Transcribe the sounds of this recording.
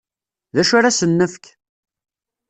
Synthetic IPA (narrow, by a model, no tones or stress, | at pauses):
ðæʃaɾasənːəfk